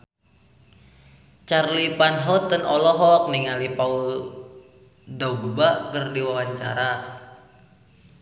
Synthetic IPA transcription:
t͡ʃarlipanɦɔt̪ənɔlɔɦɔk̚niŋalipaul | dɔɡbakərdiwawaɲt͡ʃa̰ɾa

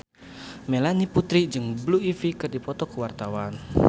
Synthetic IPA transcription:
melaniput̪ɾid͡ʒɨŋbluifikərdipɔt̪ɔkəwart̪awan

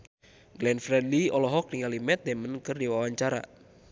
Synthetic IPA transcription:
ɡlɛnfɾɛdliɔlɔɦɔk̚niŋalimɛt̪̚dɛmənkɨrdiwawaɲt͡ʃaɾa̰

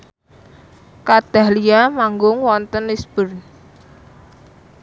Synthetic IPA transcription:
kad̪̥a̤hliamaŋɡʊŋwɔnt̪ənisb̥ʊrn

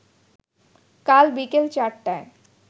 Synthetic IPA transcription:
kalbikelt͡ɕaɾʈːãm

